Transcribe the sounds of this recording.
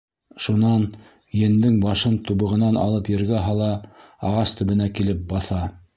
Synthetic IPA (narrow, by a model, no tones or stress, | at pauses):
ʃunɑn | jɘ̆nd̪ɘŋbɑʃɤnt̪uβɤ̆ʁɤ̆nɑnɑ̰lˠɤpjɘ̆ɾɡæɦɑlˠɑ | ɑʁɑst̪ɵ̆βɘ̆nækilɘp̚bɑθɑ